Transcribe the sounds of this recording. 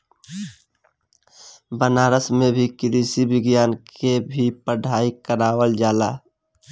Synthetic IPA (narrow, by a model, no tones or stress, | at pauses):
bənaːɾəsmẽbʱikɪɾisibɪɡjaːnkʰebʱipəɖʱaːikəɾaːwəld͡ʒaːlaː